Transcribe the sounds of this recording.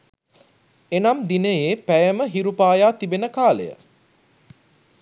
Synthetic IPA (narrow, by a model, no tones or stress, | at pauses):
enamd̪inəjeːpæjəməɦiɾupaːjaːt̪ibenəkaːlḛjə̰